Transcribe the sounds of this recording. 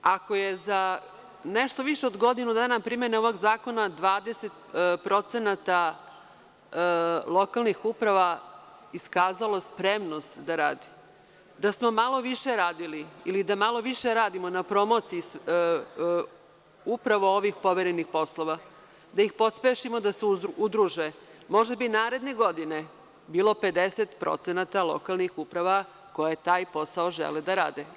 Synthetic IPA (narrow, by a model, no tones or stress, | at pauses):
ako̞jeza | neʃt̪o̞ʋiʃeod̪ɡo̞d̪inud̪aːnapɾimeneoʋoɡzaːko̞nad̪ʋaːd̪e̞set̪pɾo̞t̪senat̪a | lˠo̞kalˠnixupɾaʋaiskaːzalˠospɾemno̞st̪d̪aɾaːd̪i̥ | d̪asmo̞malo̞ʋiʃeɾaːd̪iliːlid̪amalo̞ʋiʃeɾaːd̪imo̞napɾo̞mot̪siis | upɾaʋo̞oʋixpo̞ʋeɾenixpo̞slˠo̞ʋa | d̪aixpo̞t̪speʃimod̪aseud̪ɾuʒemo̞ʒd̪abinaːɾe̞d̪ne̞ɡo̞d̪ine̞ | biːlˠo̞pe̞d̪eset̪pɾo̰t̪senat̪alo̞̰kalˠnixupɾaʋa | ko̞jet̪aːjpo̞saoʒḛled̪aɾa̰ːd̪e